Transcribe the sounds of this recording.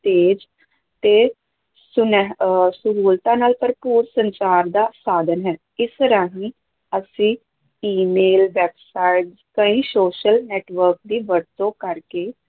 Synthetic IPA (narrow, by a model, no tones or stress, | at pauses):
t̪eːd͡ʒ | t̪eː | sʊnɦsʊɾuːlt̪ãːnaːlpəɾpuːɾsənt͡ʃaːɾd̪aːsaːd̪ənɦɛː | ɪst̪əɾãːɦĩː | əsĩː | iːmeːlʋɛːpsaːɪɖzkəĩːsoːʃəlnɛːʈʋəɾk̚d̪iːʋəɾt̪õːkəɾkeː